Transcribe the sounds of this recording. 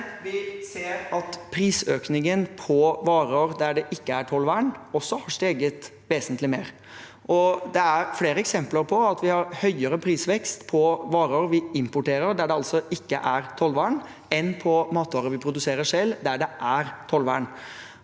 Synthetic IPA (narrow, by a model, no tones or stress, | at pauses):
ʋɪseːɾɑt̪pʰɾiːsøːknɪŋənpʰɔʋɑːɾoːɾd̪æɖɛʔɪkːəæʈʰɔlʋæːɳɔsːɔhɑʂʈ̪eːɡət̪ | ʋeːsənt̪ʰlɪmeːɾ | ʔɔd̪ɛæɾfleːɾəɛksɛmpləɾpʰɔɑt̪ʋɪhɑɾhœʏəɾəpʰɾiːsʋɛkst̪pʰɔʋɑːɾəoːɾʋɪɪmpʊʈeːɾəɾɖ̪æɖɛɑlt̪sɔʔɪkːə̰ʔæɾt̪ʰɔlʋæːɳ | ɛnpʰɔmɑːt̪ʋɑːɾəʋɪpʰɾʊd̪ʉseːɾəʂɛld̪æɖɛʔæɾt̪ʰɔlʋæ̰ːɳ